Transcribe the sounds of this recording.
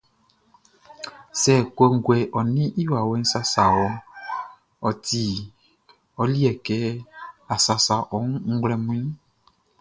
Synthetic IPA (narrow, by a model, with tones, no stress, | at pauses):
sɛ˨ko˦ŋ̩˦ɡɛ˨ʔɔ˨nĩ˦ʔi˦wa˨we˦n̩˦sa˦sa˨wɔ˨ | ɔ˨t̪i˨ | ɔ˨˦li˦ɛ˨kɛ˦a˨sa˨sa˨ʔɔ˨˦ŋ̃˦ŋ̩˦ɡlɛ˦mũ˦ĩ˦